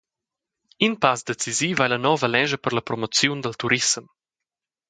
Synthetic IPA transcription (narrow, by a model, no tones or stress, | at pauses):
inpasd̪et͡siziːvajlənɔvəlɛʒəpəɾləpɾɔmot͡sjund̪əlt̪uɾism